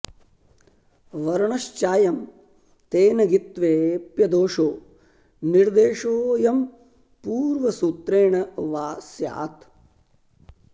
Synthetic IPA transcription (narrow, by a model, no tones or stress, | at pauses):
ʋɐɾɐɳɐʃt͡ʃaːjɐm | t̪eːnɐɡit̪ʋeːpjɐd̪oːʂoː | niɾd̪eːʂoːjɐm | puːɾʋɐsuːt̪ɾeːɳɐʋaːsja̰ːt̪